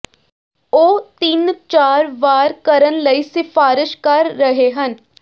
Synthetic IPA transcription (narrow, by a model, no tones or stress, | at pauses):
oːt̪ɪnt͡ʃaːɾʋaːɾkəɾənləiːsɪfʰaːɾɪʃkəɾːəɦeɦən